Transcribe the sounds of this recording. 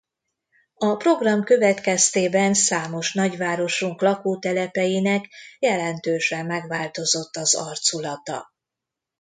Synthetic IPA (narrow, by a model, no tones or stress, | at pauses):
ɒpro̞ɡrɒmkø̞vɛt̪kɛst̪eːbɛnsaːmo̞ʃn̪ɒɟʋaːɾo̞ʃuŋklɒkoːt̪ɛlɛpɛjinɛkjɛlɛnt̪øːʃɛmːɛɡʋaːlt̪o̞zo̞t̪ːɒzɒrt̪sulɒt̪ɒ̰